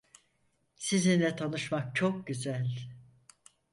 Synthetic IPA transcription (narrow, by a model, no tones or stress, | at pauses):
sizinlɛt̪ʰanɯʃmak̚t͡ʃʰok̚ɟyzælʲ